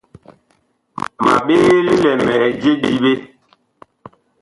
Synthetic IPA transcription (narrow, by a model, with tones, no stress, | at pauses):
ma̰˨ɓe˦li˦lɛ˨mɛ˨d͡ʒe˦ɗi˦ɓe˦